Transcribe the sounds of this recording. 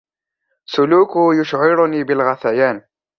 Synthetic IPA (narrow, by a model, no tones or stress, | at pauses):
sʊluːkʊjʊʃʕɪɾʊniːbɪlɣɑθæjaːn